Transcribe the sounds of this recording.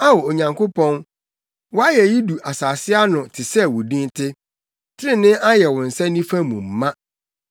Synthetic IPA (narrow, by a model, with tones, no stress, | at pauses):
a˦wɔ˨o˨ɲã˨ŋkʰo˦pʰɔ̃˦n | wɔ˦a˦jɛ˨ji˦du˨ʔa˨saː˨sɪ˦a˦nʊ̃˨tʰɪ˨sɛ˦wʊ˨dĩ˦ntʰɪ˦ | tʰɪ˦ɪ̃˦nɪ̃˦a˦jɛ˨wʊ̃˨n̩˨sɛ̃˦nĩ˦fã˦mũ˨m̩ː˨ã˦